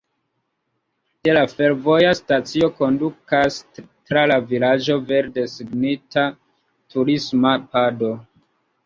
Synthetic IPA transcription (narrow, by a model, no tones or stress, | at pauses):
de̞lafe̞ɾvo̞jastat͡sio̞ko̞ndukas | tɾalavilad͡ʒo̞ve̞ɾde̞siɡnita | tuɾismapado